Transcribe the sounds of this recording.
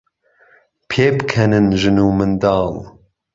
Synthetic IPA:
pʰeːbɨkʰɛnɨnʒɨnuːmɨnd̪ɑːl

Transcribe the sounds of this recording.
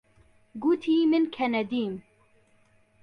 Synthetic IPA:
ɡut̪ʰiːmɨnkʰɛnɛd̪iːm

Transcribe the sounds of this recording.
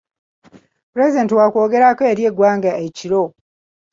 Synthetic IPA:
puɾe̞zide̞ːntiwakwo̞ːɡe̞ɾakoeɾje̞ɡwaːŋɡaeciɾo̞

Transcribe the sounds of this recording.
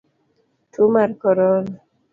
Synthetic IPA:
tʰumaɾkɔɾɔl

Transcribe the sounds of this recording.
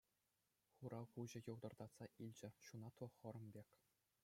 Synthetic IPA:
χuɾɑʁuʑɘ̆jɤ̆wd̪ɤ̆rd̪ɑt̪sɑʔilʲd͡ʑɘ̆ɕunɑt̪ʋɤ̆χɤ̆ɾɤ̆mbʲekʲ

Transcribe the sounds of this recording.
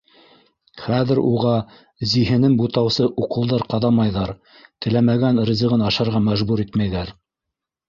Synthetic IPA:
χæðɘ̆ɾuʁɑ | ziɦɘ̆nɘŋbut̪ɑwsɤʔuqɤ̆lˠd̪ɑɾqɑðɑmɑjðɑɾ | t̪ɘ̆læmæɡænɾɘ̆zɤ̆ʁɤnɑʃɑɾʁɑmæʒbuɾit̪mæjðæɾ

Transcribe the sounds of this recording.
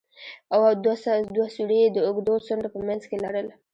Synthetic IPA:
awad̪d̪wasuɽeed̪əʊɡd̪osʊɳɾapəmjanzkelaɽəla

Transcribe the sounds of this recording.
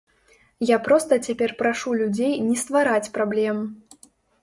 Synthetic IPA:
japɾɔst̪ɐt͡sʲapʲɛrpɾaʂulʲud͡zʲejnʲɛst̪vaɾat͡sʲpɾablʲɛm

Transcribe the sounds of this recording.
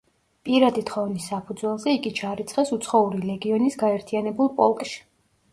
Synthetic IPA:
pʼiɾad̪it̪ʰχɔvnisːapʰud̪zwɛlˠzɛiɡit͡ʃʰaɾit̪sʰχɛsut̪sʰχɔuɾilɛɡiɔnisɡaɛɾt̪ʰianɛbulˠpʼɔlˠkʼʃi̥

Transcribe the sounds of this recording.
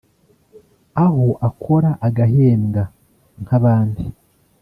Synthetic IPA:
ahoʔakʰo̞ɾaʔaɡaɦeːmɡa | ŋhaβaːndi

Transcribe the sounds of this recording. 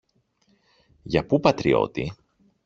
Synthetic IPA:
jɐpupɐt̪ɾḭo̞̰t̪ḭ

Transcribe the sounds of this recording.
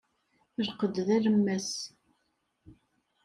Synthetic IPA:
ɾqəd̪ðæɾəmːæs

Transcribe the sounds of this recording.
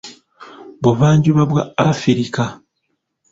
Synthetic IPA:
βoβaːɲɟuβaβwaafiɾika

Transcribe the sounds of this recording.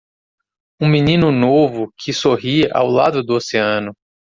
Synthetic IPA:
ũminĩnʊnovʊkʰɪsoɦia̰wlad̪ʊd̪ʊoseɐ̃nʊ

